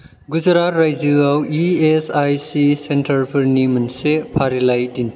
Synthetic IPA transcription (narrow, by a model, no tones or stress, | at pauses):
ɡuzɐɾatɾajzɯawiesajsisentʰɐɾpʰɯɾnimɐnsepʰaɾilajdin